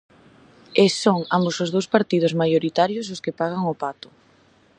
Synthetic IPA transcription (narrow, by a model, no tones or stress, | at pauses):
esoŋambosʊzð̞owspaɾt̪ið̞ʊzmajoɾit̪aɾjʊsʊskepaɣaŋʊpat̪ʊ̥